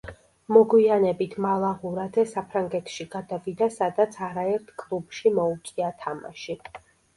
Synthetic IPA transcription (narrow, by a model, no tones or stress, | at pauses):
mɔɡwianɛbit̪ʰmalˠaʁuɾadzɛsapʰɾaŋɡɛt̪ʰʃiɡ̥ad̪avid̪asad̪at̪sʰaɾaɛɾt̪ʰkʼlˠub̥ʃimɔut̪sʼiat̪ʰama̰ʃi